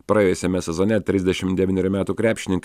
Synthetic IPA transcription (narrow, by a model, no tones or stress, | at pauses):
pɾɐeːjosʲɛmʲɛsʲɛzɔnʲɛt̪ʲɾʲɪzd̪ʲɛʃʲɪmd̪ʲɛʋʲinʲɛɾʲʊmʲæːt̪uːkɾʲæːpʲʃʲɪnʲɪŋk